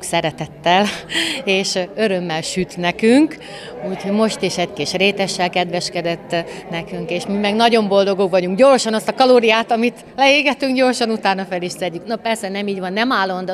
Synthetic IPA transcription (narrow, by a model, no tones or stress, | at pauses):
sɛɾɛt̪ɛt̪ːɛleːʃø̞ɾø̞mːɛlʃyt̪nɛkyŋk | uːcho̞ɟmo̞ʃt̪iʃɛckiʃreːt̪ɛʃːɛlkɛd̪ʋɛʃkɛd̪ɛt̪ːnɛkyŋkeːʃmimɛɡnɒɟo̞mbo̞ld̪o̞ɡoɡvɒɟuŋkɟoːrʃɒnɒst̪ɒkɒloːɾijaːt̪ɒmit̪ | lɛeːɡɛt̪yŋkɟo̞ːrʃɒnut̪aːnɒfɛliʃsɛdːyknopɛrsɛnɛmiːɟvɒnːɛmaːlːo̞nd̪